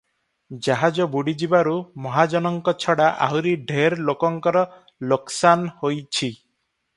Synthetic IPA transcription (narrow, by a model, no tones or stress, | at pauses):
d͡ʒaɦad͡ʒɔbuɽid͡ʒibaɾumɔɦad͡ʒɔnɔŋkɔt͡ʃʰɔɽaʔa̰ɦuɾiɖʱeɾlokɔŋkɔɾɔ | loksanhojt͡ʃʰi